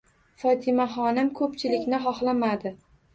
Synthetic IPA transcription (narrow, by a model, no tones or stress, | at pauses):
fɒt̪ʰɪmaχɒnɪmkʰɵpt͡ʃʰɪlɪkʲnɪχɒχlˠamad̪ɪ